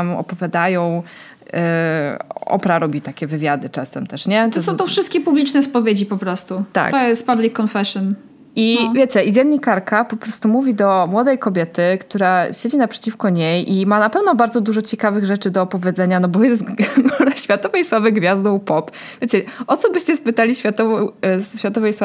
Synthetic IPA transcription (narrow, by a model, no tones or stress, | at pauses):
amɔ̰pɔvʲjad̪ajɔ̃w̃ | ɔ̰pɾaɾɔbʲit̪akʲɛvɘvʲjad̪ɘt͡ʂɛsɛ̰mt̪ɛʂɲɛt̪ɔsɔ̃w̃t̪ɔfʂɘst̪kʲɛpublʲit͡ʂnɛspɔvʲjed͡ʑipɔpɾɔst̪ut̪a̰kt̪ɔjɛst̪pablʲikːɔnfɛʂɔn | ivʲjet͡ɕɛʔivʲɛnɲːikaɾkapɔpɾɔst̪umuvʲid̪ɔmwɔd̪ɛjkɔbʲjɛt̪ɘkt̪uɾaɕed͡ʑinapʂɛ̥t͡ɕifkɔɲejʔimanapɛvnɔbaɾdzɔd̪uʐɔt͡ɕɛkavɘɣʐɛt͡ʂɘd̪ɔːpɔvʲjɛd̪zɛɲanɔbɔjɛst̪naɕfʲjat̪ɔvɛjswavɘɡvʲjazd̪ɔwpɔp | vʲjet͡ɕɛɔt̪sɔbɘɕt͡ɕɛspɘt̪alʲiɕfʲjat̪ɔvsɕfʲjat̪ɔvɛjswa